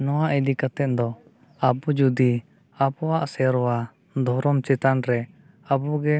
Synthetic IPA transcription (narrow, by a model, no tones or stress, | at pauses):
nɔwaʔid̪ikat̪ɛt̪̚d̪ɔ | abɔd͡ʒud̪i | abɔwaʔsɛɾɔwa | d̪ʱɔɾɔmt͡ʃɛt̪anɾɛ | abɔɡɛ